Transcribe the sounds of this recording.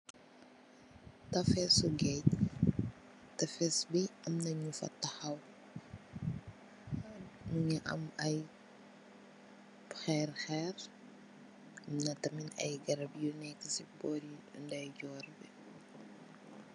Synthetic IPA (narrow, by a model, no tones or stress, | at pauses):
tɐfɛsuɡɛt | tɐfɛsbiɐmnɐɲufɐ̰tːɐhɐw | anmuɲɐʔɐ̰mɐj | xɛrxɛr | ɐmnɐtɐminɐ̰jɡɐɾɐbjunɛkːəsibɔːɾindɐjɟɔːɾbi